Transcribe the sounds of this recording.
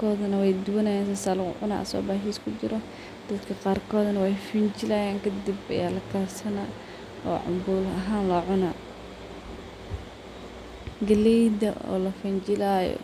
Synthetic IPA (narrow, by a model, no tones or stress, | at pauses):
kʰɔːðɐnɐwɛjd̪ʊwɐnɐjaːnsaːsaːlʊ̰ʕʊna̰ːʔsɔ̰ːbaːɦiːskʰʊt͡ʃɪɾɔ | d̪̥ɐd̪kʰɐqɑːrkʰɔːðɐnɐwɛjfɪnt͡ʃɪlɐjaːŋkʰɐd̪ibɐ̰jaːlɐkʰɐrsɐnaː | ɔ̰ːʕʊ̰mbuːlɐɦaːnlɔːʕʊnaː | ɡɐlɛjd̪ɐ̰ʔɔ̰ːlɐfɪnt͡ʃɪlaːjɔ̰